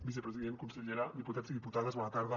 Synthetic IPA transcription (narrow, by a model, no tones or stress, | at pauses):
bis̬epɾəziðenkunseʎeɾad̪iput̪aziðiput̪aðazβɔnat̪aɾða